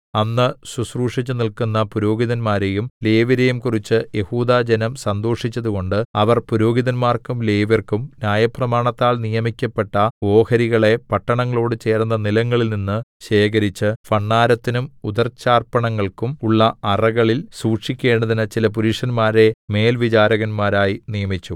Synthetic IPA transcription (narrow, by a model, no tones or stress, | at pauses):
ɐnːɨsusruːʂit͡ɕːɨnilkunːɐpuɾo̞ːɡiðɐnmaːɾejumle̞ːʋɐɾejumkurit͡ɕːɨje̞huːd̪aːd͡ʑɐnɐmsɐnd̪o̞ːʂit͡ɕːɐðuko̞ɳɖɨɐʋɐrpuɾo̞ːɡiðɐnmaːrkumle̞ːʋɐrkumnʲjaːjɐprɐmaːɳɐt̪ːaːɭnijɐmikʲːɐpːe̞ʈːɐo̞ːhɐɾiɣɐɭe̞pɐʈːɐɳɐŋːɐɭo̞ːɽɨt͡ɕe̞ːrnːɐnilɐŋːɐɭilninːɨɕe̞ːɣɐɾit͡ɕːɨfɐɳːaːɾɐt̪ːinumud̪ɐrt͡ɕːaːrpɐɳɐŋːɐɭkumuɭːɐɐrɐɣɐɭilsuːʈʂikʲːe̞ːɳɖɐðinɨt͡ɕilɐp̬uɾiʂɐnmaːɾe̞me̞ːlʋit͡ɕaːɾɐɣɐnmaːɾaːjinijɐmit͡ɕːu